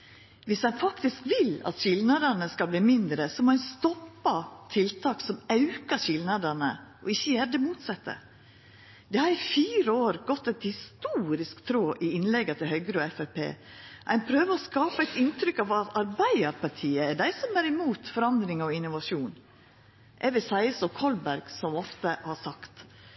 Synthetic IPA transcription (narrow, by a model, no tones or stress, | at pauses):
ʋɪsæɪnfɑkt̪ɪskʋɪlɑ̰t̪ɕɪlnɑd̪ənəskɑlbliːmɪnd̪ɾəsɔmɔænst̪ɔpːɑt̪ʰɪlt̪ʰɑːksɔmɑʉkəçɪlnɑd̪ənəʔɔɪçːəjæd̪əmuːt̪sɛt̪ːə̰ | d̪̥ɛhɑɾɪfiːɾəoːɾɡɔt̪ːɛɪt̪hɪst̪uːɾɪskt̪ʰɾoːʔɪɪnlɛɡːət̪ʰɪlhœʏɡɾəɔɛfæɪpʰḛː | ʔæɪnpʰɾøːʋəɔskɑːpæɪt̪ɪnt̪ɾʏkːɑʋɑt̪ɑɾbæɪəɾpɑʈʰiːəɛɖ̪æɪsɔmæɾɪmuːt̪fɔɾɑnd̪ɾɪŋɔɪnːʊʋɑʂuːn | ʔɛʋɪsæɪəsɔkʰɔlbæɾɡ̥sɔmɔft̪əhɑsɑkt̪